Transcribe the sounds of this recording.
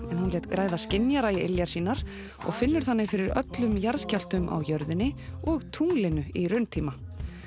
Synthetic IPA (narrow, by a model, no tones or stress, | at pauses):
ɛnhunlɛːt̪kɾaːjðascɪnjaɾaiɪ̰ljaɾ̥siːnaɾ̥ | ɔ̰ɣfɪnːʏɾ̥θanːɪɣfɪɾɪɾœ̰t̪lʏmjaɾscawl̥t̪ʏmʔa̰wjœɾðɪnːɪɔɣt̪ʰuŋlɪnʏirʏnt̪ʰiːma